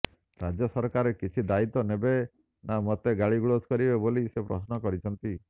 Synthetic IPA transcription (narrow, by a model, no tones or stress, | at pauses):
ɾad͡ʒjɔsɔɾkaɾekit͡ʃʰid̪ait̪ɔnebe | namɔt̪eɡaɭiɡuɭoskɔɾibebolisepɾɔ̰snɔkɔɾit͡ʃʰɔnt̪i